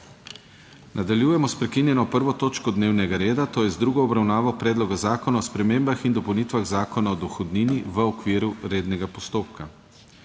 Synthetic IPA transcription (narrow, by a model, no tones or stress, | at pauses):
nʔad̪aljuːjɛmɔspɾɛkinjɛnɔpəɾʋɔt̪oːt͡ʃkɔd̪neːwnɛɡaɾeːd̪at̪oːjɛzd̪ɾuɡɔɔbɾawnaːʋɔpɾɛːd̪lɔɡazaːkɔnaɔspɾɛmembaxind̪ɔpownit̪ʋaɣzaːkɔnaɔd̪ɔxɔd̪niniʋəɔkʋiːɾuɾeːd̪nɛɡapɔst̪oːpka